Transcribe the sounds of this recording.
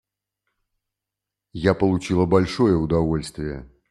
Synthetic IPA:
japəlˠʊt͡ɕilˠəbɐlʲʂojəʊd̪ɐvolʲst̪vʲɪjə̰

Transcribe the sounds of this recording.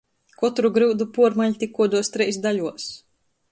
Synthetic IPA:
kɔt̪ɾuɡɾɨːd̪upuɔɾmaʎʲt̪ʲikːuɔd̪uɔst̪ɾɛjsd̪aʎʲuɔs

